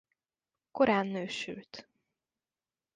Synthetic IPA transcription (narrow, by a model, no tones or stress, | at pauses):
ko̞ɾaːnːøːʃy̰lt̪